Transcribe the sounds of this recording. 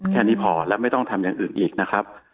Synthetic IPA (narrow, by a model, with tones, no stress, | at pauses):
kʰɛː˥˩niː˦˥pʰɔː˩˦lɛː˦˥wma˥˩jt̪ɔ˥˩ŋt̪ʰa˧mjaː˨˩ŋʔɯː˨˩nʔiː˨˩k̚na˦˥kʰɾa˦˥p̚